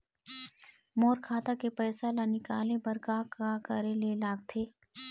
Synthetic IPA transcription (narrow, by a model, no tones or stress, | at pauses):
moːɾkʰaːt̪akepɛːsalanɪkaːlebɐɾkakakɐɾelelaːɡ̚t̪ʰeː